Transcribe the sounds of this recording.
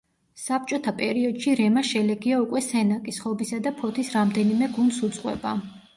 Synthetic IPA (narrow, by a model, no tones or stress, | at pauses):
sap̚t͡ʃʼɔt̪ʰapʼɛɾiɔd̪̥ʃiɾɛmaʃɛlɛɡiaukʼwɛsɛnakʼisχɔbisad̪apʰɔt̪ʰisɾamd̪ɛnimɛɡund̪sut̪sʼqʼwɛ̰ba